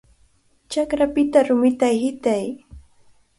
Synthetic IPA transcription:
t͡ʃakɾapɪt̪aɾʊmɪt̪ajhɪt̪aj

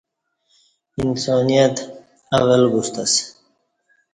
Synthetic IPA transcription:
insɔːnijat̪ | awɐlɡust̪as

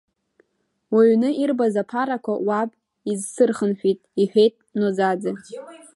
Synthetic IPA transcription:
waɥnɨirbazapʰaɾakʷʰawapʼ | izsɨrχənħʷᶣitʼiħʷᶣejtʼnod͡zad͡zɨ

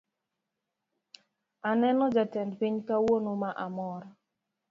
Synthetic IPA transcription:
anɛnɔd͡ʒatɛndpiɲkawonomaʔamɔɾɔ

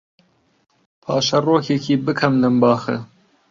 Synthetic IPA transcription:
pʰɑːʃɐroːkʰekʰiːbɨkʰɐmlɨmbɑːxɨ̰

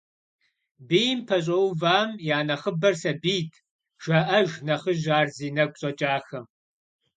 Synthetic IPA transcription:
bijmpʰɐɕ̬ʼɐwvaːmjaːnɐχəbɐrsɐbiːtʰ | ʒ̥ɐʔɐʒnɐχəʒaːrziːnɐkʷʼɕʼɐt͡ʃʼaːxɐ

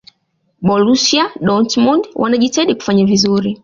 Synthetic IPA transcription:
ɓɔlusiaɗɔntmundwʔa̰naʄitaiɗiku̥faɲavizuɾi

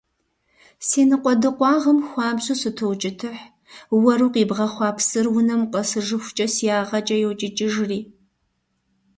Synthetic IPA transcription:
siːnɨqʷɔdɨqʷɑːʁɐmxʷɑːbɕʼusɨtʰowt͡ʃʼɪtʰɨħ | wɐɾuːqiːbʁɐχʷɑːpʰsɨrwʊnɐmqʼɐsɨʒɨxʷʊt͡ʃʼɐsiaːʁɐt͡ʃʼɐjɛwt͡ʃʼɪt͡ʃʼɪʒriː

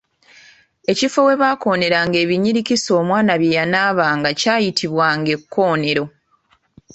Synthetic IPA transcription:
e̞cifo̞we̞βaːko̞ːne̞ɾaŋɡe̞ːβiɲiɾiciso̞ːmwaːnaβjejanaːβaːŋɡacaːjitʰiβwaŋɡe̞kʰːo̞ːne̞ɾo̞

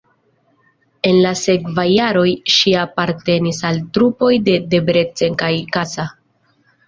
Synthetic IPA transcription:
e̞nlase̞kvajːaɾo̞jʃiapaɾte̞nisaltɾupo̞jde̞de̞bɾe̞t͡se̞ŋkajkasa

